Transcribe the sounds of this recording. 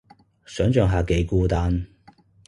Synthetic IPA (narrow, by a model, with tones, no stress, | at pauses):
sœː˨˥ŋt͡ʃœː˨˧ŋɦaː˨ke˨˥jkuː˥t̪aː˥n